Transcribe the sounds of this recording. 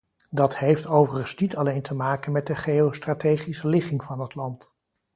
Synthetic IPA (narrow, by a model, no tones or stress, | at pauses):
dɑthejftowvərənsnitɑlejntʰəmaːkənmɛt̚dəχejowstratejχisəlɪχɪŋvɑnɦətlɑnt